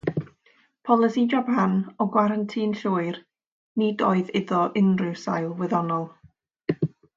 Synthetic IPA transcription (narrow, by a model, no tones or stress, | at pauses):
pʰɔlˠɪsid͡ʒabanɔɡwaɾantʰiːnɬʊːɨr | nidoːɨðɪðɔʔɪnrɪwsa̰jlˠvwɛðɔnɔlˠ